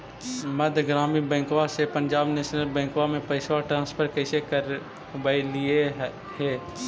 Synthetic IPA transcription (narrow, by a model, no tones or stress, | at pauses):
məd̪ʱɡɾaːmibɛ̃ːŋkʋasepə̃ɲd͡ʒaːbneːʃnəlbɛ̃ːŋkʋamẽpəɪswaʈɾãːnspʰəɾkəɪsekəɾ | bailie | ɦɛː